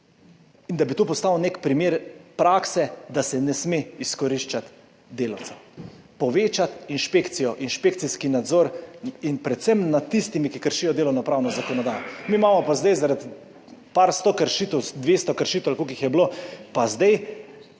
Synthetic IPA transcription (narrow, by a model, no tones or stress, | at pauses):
ind̪abit̪oːpɔst̪aːwnekpɾimeːɾpɾaːksɛd̪asɛnɛsmeiskɔɾiʃt͡ʃat̪ | d̪eːlɔw̪t͡s̪a | pɔʋeːt͡ʃat̪inʃpeːkt̪sijɔʔinʃpeːk̚t̪siskinad̪zoːɾinpɾɛt̪sɛmnat̪ːist̪imikikəɾʃiːjɔd̪eːlɔwnɔpɾaːwnɔzakɔnɔd̪aːjɔmimamɔpazd̪ajzaɾat̪ | paɾst̪okəɾʃiːt̪ɛwd̪ʋeːst̪ɔkəɾʃit̪walkokixjɛblopazd̪aj